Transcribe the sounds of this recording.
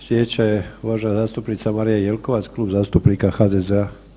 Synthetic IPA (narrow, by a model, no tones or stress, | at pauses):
sjɛt͡ʃɛuʋaʒnazaːst̪upnit͡samaːɾijajɛlkɔʋat͡sklubzaːst̪upniːkaxaːd̪ɛzɛa